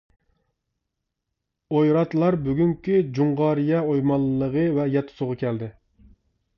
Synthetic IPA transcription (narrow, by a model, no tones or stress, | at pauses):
ojɾɑt̪lˠɑɾbyɡʲyŋkʲʰyd͡ʒuɴʁɑɾijɛojmɑlˠːəʁəvɛjɛt̪ʰːʊ̥sʊʁɑkʲʰɛld̪ɪ